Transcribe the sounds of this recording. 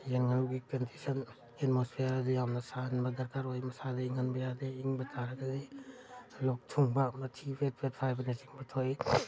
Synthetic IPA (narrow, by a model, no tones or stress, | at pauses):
jenŋaɾuɡikɐndisɐn | et̚mospʰejaɾadijawmnɐsanbɐdɐɾkaɾojmɐsadɐiŋanbɐjadeiŋbɐtʰaɾɐɡadi | lɔk̚tʰuŋbanatʰipʰet̚pʰet̚pʰajbanesiŋbɐtʰoj